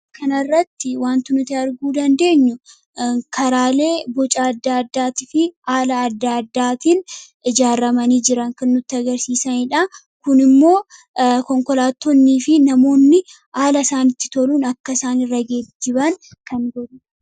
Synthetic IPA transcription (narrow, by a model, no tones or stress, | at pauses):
kɐnɐrːɐt̪ːɪwaːnt̪ʊnʊt̪eɐɾɡuːd̪ɐnd̪e̞ːɲːʊ | kʰɐɾaːle̞ːbɔt͡ʃʼaːɐd̪ːaːɐd̪ːaːt̪ɪfɪaːlɐːd̪ːaːd̪ːaːt̪in | ɪd͡ʒaːrːɐmɐniːd͡ʒɪɾɐŋkɐnːʊt̪ːɪɐɡɐɾsiːsɐnɪᶑɐ | kʊnɪmːo̞ː | kɔŋkɔlaːt̪ːɔnːiːfɪnɐmo̞ːnːɪ | aːlɐsaːnɪt̪ːɪ̥t̪ɔluːnɐkːɐsaːnɪrːɐɡed̪ːɪbɐnkɐnɡɔᶑʊ